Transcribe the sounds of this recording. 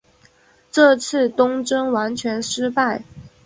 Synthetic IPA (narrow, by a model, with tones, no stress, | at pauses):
ʈ͡ʂɤ˥˧t͡sʰɹ̩˥˩t̪ʊ˥ŋʈ͡ʂɤ˥ŋwa˧˥nt͡ɕʰɥɛ˧˥nʂɻ̩˥pa˥˩ɪ